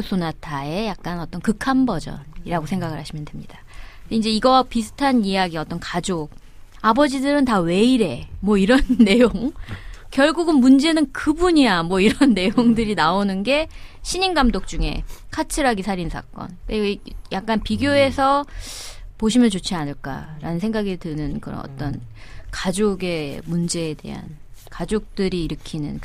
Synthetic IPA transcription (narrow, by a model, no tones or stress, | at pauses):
sʰonatʰae̞jak̚k͈anʌt͈ʌnkɯkʰambʌd͡ʑʌ̰niɾaɡosʰe̞ŋɡaɡɯɭhaɕʰimjʌndemɲid̥aind͡ʑe̞iɡʌpisʰɯ̥tʰanijaɡiʌt͈ʌnkad͡ʑoɡ̚ | abʌd͡ʑidɯɾɯntawe̞iɾe̞mwʌiɾʌnːe̞joŋkjʌɭɡuɡɯnmund͡ʑe̞nɯnkɯbuɲiamwʌiɾʌnːe̞joŋdɯɾinaonɯnɡe̞ɕʰiɲinɡamdok̚t͡ɕ͈uŋe̞̰kʰat͡ɕʰɯɾaɡisʰaɾinsʰa̰k͈ʌ̰nkejak̚k͈anpiɡjoe̞sʰʌ | poɕ̬ʰimjʌnt͡ɕot͡ɕʰianɯɭk͈a̰ɾa̰nɯnsʰe̞ŋɡaɡitɯnɯnkɯɾʌ̰nʌ̰t͈ʌ̰nkad͡ʑoɡe̞mund͡ʑe̞ːde̞̰ɦa̰n | kad͡ʑok̚t͈ɯɾiːɾɯkʰinɯ̰n